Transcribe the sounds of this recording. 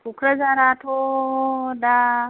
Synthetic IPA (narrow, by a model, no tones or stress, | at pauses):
pʰukɾazaɾatʰo | da